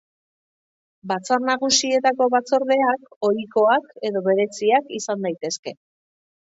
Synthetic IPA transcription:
bat͡sarnaɣ̞usie̞t̪ako̞βat͡soɾðe̞ako̞ɾiko̞ake̞ðo̞βe̞ɾe̞t͡siakisand̪ajt̪e̞ske̞

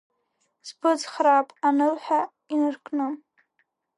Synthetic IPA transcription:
zbɨd͡zχraːpʼanɨlħʷa | inɨrkʰʼnɨm

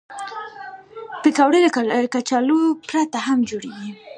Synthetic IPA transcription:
pekawɽelkat͡ʃalopɾat̪aɦamd͡ʒoɽeɡi

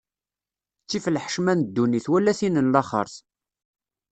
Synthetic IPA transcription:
t͡sːifəlħəʃmænd̪ːuniθwælːæθinənlɑχə̰ɾˤθ

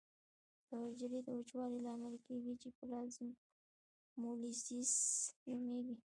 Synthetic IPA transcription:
d̪əd͡ʒɾid̪əʊt͡ʃwɑɾilɑmalkeɡit͡ʃepəlɑzɪm | molisisʒameɡi

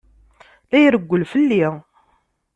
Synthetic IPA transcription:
læjɾəɡʷːəlfəlːi

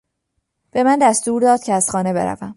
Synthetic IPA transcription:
b̥e̞mænd̪æst̪uːɾd̪ɒːd̪̥cʰeæz̥χxɒːne̞be̞ɾæ̰væm

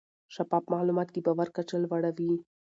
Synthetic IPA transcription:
ʃapɑpmalumɑt̪̚kibawaɾkat͡ʃəlwaɽawi

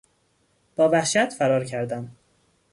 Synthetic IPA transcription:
b̥ɒːvæhʃæt̪fæɾɒːɾcʰæɾd̪æm

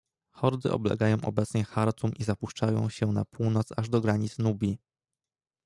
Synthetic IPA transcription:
xɔɾd̪ɘ̰ʔɔ̰blɛ̰ɡajɔ̃w̃ʔɔ̰bɛt̪sɲɛxaɾt̪umʔizapuʂt͡ʂajɔ̰̃w̃ɕɛnapʰuwnɔt̪saʐd̪ɔɡɾaɲit̪snubʲi

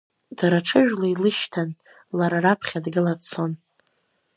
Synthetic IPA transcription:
d̥aɾaʈ͡ʂʰɨʒᶣlailɨʃtʰan | laɾarapʰχʲadɡɨlat͡sʰo̞n

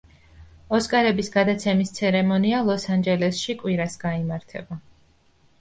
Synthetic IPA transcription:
ɔskʼaɾɛbisɡad̪at̪sʰɛmist̪sʰɛɾɛmɔnialˠɔsand͡ʒɛlɛsʃikʼwiɾasɡaimaɾt̪ʰɛ̰ba

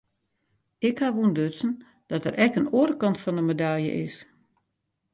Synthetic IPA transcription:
ɪkhaʋundøtsən̩ | d̥ɔtərʔɛkənoəɾəkɑntfɔnəmedaljə̰ʔɪs

